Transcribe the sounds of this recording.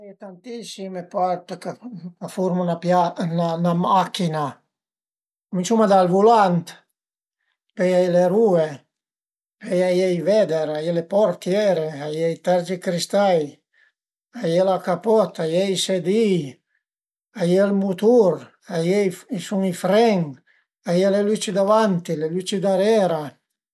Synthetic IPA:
ɛjt̪ant̪isimepaɾt̪kakafuɾmonapjananamakina | kumint͡ʃumad̪alvulant̪ | pejajleɾue | pejajɛjvɛd̪eɾajelepɔɾt̪jɛɾeajɛjt̪ɛɾd͡ʒikɾist̪aj | ajelakapɔt̪ajɛjsed̪i | ajelmut̪uɾ | ajɛjisuŋifɾɛŋ | ajelelyt͡ʃid̪avant̪ilelyt͡ʃid̪aɾɛːɾa

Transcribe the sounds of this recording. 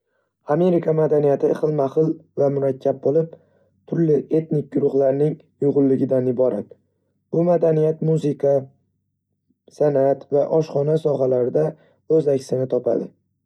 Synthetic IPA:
ame̞ɾɪkʰamad̪anijat̪ʰɪχɨlˠmaχɨlˠvamʊɾakʲʰːab̚bolɪp̚ | t̪ʰʊɾlɪʔe̞t̪nɪk̚ʲɡʊɾʊχlaɾnɪŋ | jʊʁʊlˠːɪɡʲɪd̪anɪbɒɾʔa̰t̪̚ | b̥ʊmad̪anijat̪muzɪkʰa | sanat̪vaʔɒʃχɒnasɒɦalaɾɪd̪a | ɵzakʲsɪnɪt̪ʰɒpʰa̰d̪ɪ

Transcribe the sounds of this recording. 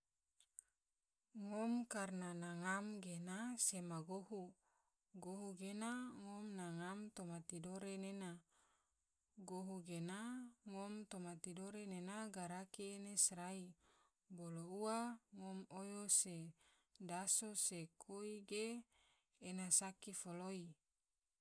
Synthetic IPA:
ŋomkarnanaŋamɡenasemaɡoɦu | ɡoɦuɡenaŋomnaŋamt̪omat̪idoɾenena | ɡoɦuɡenaŋomt̪omat̪idoɾenenaɡaɾakienesɾai | bolouaŋomojose | dasosekʰoiɡeː | nasakifoloi

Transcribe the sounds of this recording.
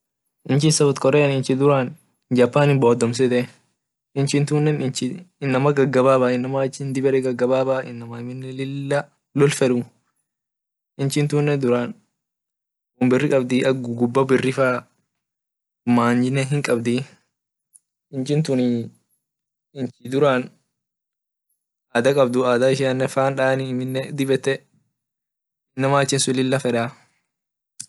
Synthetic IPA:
ʔɪnt͡ʃɪnsɐbɔt̪kʼɔɾeːnɪnt͡ʃɪd̪ʊɾaːn | d͡ʒɐpːaːnɪboːd̪ɔms̬ɛt̪ɛ | ɪnt͡ʃɪnt̪uːnːɛnɪnt͡ʃɪɪnːɐmɐɡɐɡːɐbaːbaːɪnːɐmat͡ʃːɪnd̪ɪbɛɾɛɡɐɡɐbaːbaːɪnːɐmɐɪmɪnːɛlɪlːɐ | lɔlfɛᶑʊ | ʔɪnt͡ʃɪnt̪uːnːɛd̪ʊɾaːn | wɔmbɪrːɪkʼɐbd̪ɪʔɐɡʊɡʊbːɐbɪrːɪfaː | maːnd͡ʒɪnːɛɦɪŋkʼɐbd̪i | ɪnt͡ʃɪnt̪ʊn | ɪnt͡ʃid̪ʊɾan | ʔaːd̪ɐkʼɐb̚d̪ʊaːd̪aɪʃ̬ɪɐnːɛfaːnᶑaːniɪmɪnːɛd̪ɪbɛt̪ːɛ | nːɐmaːt͡ʃːɛnsʊlɪlːɐfɛᶑaː

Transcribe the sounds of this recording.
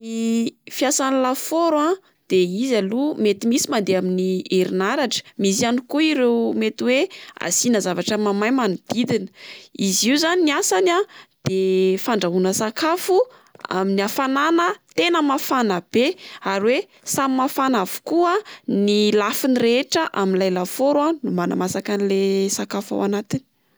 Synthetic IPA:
ifjasanilafoɾa | d̪̥eizalumet̪imisimand̪eaminieɾinaɾaʈ͡ʂə̥mis̬ianikuiɾewmet̪iwea̰sinəzavaʈ͡ʂəmamajmanud̪̥id̪inə̥iziuzaniniasanad̪̥efaɳɖ͡ʐaɦunəsakafu | a̰miniafananət̪enəmafanab̥eaɾiwe | samimafanavu̥kuənilafiniɾeʈ͡ʂəʔaminlajlafoɾanumana̰masakanilesakafa̰wanat̪ini̥

